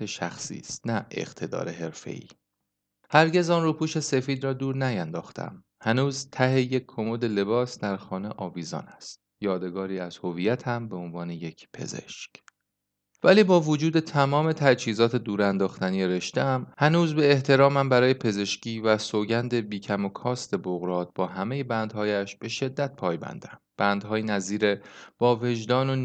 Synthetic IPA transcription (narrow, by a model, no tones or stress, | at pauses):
eʃæxsḭːst̪næḛʁ̥t̪ʰe̞d̪ɒ̰ːɾe̞ɦe̞ɾfḛʔḭː | hæɾɟe̞zɒːnruːpʰuːʃe̞se̞fiːd̪rɒːd̪uːɾnæjænd̪ɒːxt̪ʰæ̰m | hænuːzt̪ʰæɦe̞jekʰːomod̪e̞le̞bɒːsd̪æɾxɒːneʔɒːviːzɒ̰ːnæst̪̚jɒːd̪e̞ɡɒːɾiːæz̥ho̞vijæt̪ʰhæmbe̞onvɒːne̞je̞cʰpʰe̞̰ze̞̰ʃc | væliːbɒːvod͡ʒuːd̪e̞t̪ʰæmɒːme̞t̪ʰæt͡ʃhiːzɒːt̪ʰe̞d̪uːɾænd̪ɒːxt̪æniːeɾe̞ʃt̪eæmhænuːzbe̞ːht̪ʰe̞ɾɒːmæmbæɾɒːje̞pʰe̞ze̞ʃcʰiːvæsoːɟænd̪e̞biːcʰæmokʰɒːst̪e̞boɣɾɒːt̪̚b̥ɒːɦæme̞je̞bænd̪hɒːjæʃb̥e̞ʃe̞d̪ːæt̪̚pʰɒːjbæ̰nd̪̥æmb̥ænd̪ɦɒːjinæziːɾe̞b̥ɒːve̞ʒd̪ɒːno